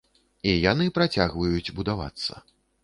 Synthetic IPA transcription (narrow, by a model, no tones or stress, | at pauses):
ijanɨpɾat͡sʲaɣvɐjut͡sʲbud̪ava̰t̪sːɐ̰